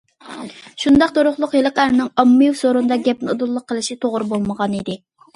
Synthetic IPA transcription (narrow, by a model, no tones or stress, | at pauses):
ʃund̪ɑq̚t̪oɾʊχlˠʊqjelˠəqæɾnɪŋɑmːɨjuwsoɾund̪ɑɡʲɛp̚nɨo̰d̪ulˠːʊqʰːəlˠɨʃit̪ʰoʁɾbolˠməʁɑnid̪ɪ